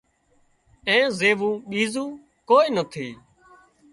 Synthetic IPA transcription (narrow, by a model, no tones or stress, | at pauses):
ẽːzeːʋũːɓiːzũː | koːiːnət̪ʰiː